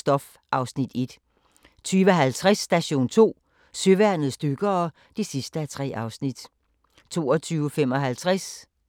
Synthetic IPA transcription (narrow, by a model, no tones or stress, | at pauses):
sd̥ɒ̽f | ʔɑ̈ʊsnid̥e̝d̥ | t͡sʰyːʋəɦælt͡sʰʁasːd̥æɕo̝̰ːnt͡sʰo̝̰ː | søʋæɐ̰nð̩ˠsd̥øɡ̥ɐː | d̥isisd̥əæt͡sʰʁɛ̰ːʔɑ̈ʊsnid̥ | t͡sʰo̝̰ːɒt͡sʰyːʊfemɒ̽ɦælt͡sʰʁas